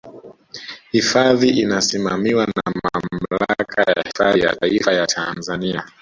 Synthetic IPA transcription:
hifaðiʔinasimamiwanamamm̩laakʰaja̰hifaija̰taifajatʰanzania

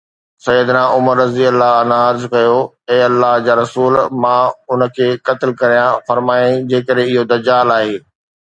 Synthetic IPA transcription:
sɐjːəd̪naʔʊməɾːɐziəlːaɐnaəɾzkɐjo | ɛ̃ːɐlːaɦd͡ʑaːɾɐsuːlmãʊnə̆kʰeːkɐt̪ɪlkɐɾijãfɐɾmaːĩd͡ʑeːkəɾɦẽɪɦod̪ɐd͡ʑaːlaːɦeː

